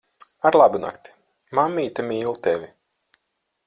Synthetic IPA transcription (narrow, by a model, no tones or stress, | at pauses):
aɾlˠabuna̰kt̪ʲi̥ | mamːiːt̪amiːlˠt̪ɛvʲi